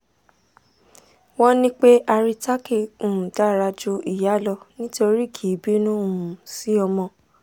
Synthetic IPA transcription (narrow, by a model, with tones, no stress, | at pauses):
wɔ̃˦nĩ˦k͡pe˦ʔa˧ɾi˧ta˦ki˦˨ũ˨da˦˨ɾa˧d͡ʒu˧˦i˦˨ja˨˦lɔ˧nĩ˦to˧ɾi˦˨kʰi˨˦˨bi˦nũ˦u˨ũ˨si˨˦ɔ˧mɔ̃˧